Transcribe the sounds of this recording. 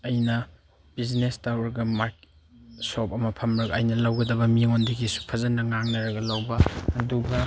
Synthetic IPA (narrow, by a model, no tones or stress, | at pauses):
ɐjnɐ | b̥iznestawɾɡɐmaɾke | sop̚ɐmɐpʰɐmɾɐɡɐːjnɐlɐwɡɐdɐbɐmiŋondiɡisu̥pʰɐzɐnɐŋaŋnɐɾɐɡɐlɐwbɐːduɡɐ